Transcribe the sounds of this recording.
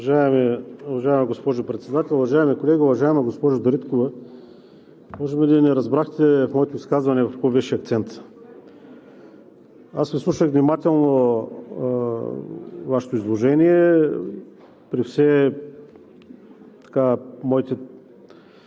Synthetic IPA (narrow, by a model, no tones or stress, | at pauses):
ʒaɛmɛuvɐʒaɛmɐɡospɔʒʊpɾɛt̪sɛd̪at̪ʲɛlˠʊvɐʒaɛmikolɛɡʲiʊvɐʒaɛmɐɡospɔʒʊd̪ɐɾit̪kovɐ | mɔʒɛbɛlinɛɾɐzbɾaxt̪ɛfmɔɛt̪oiskazvɐnɛvɐfkkɔvɛʃɛɐk̚t̪sɛnt̪ | asvislˠuʃəxvnʲimat̪ɛlˠno | vaʃɛ̥t̪oizlˠoʒɛniɛ | pɾifsɛ | t̪ɐ̥kamɔjit̪ɛ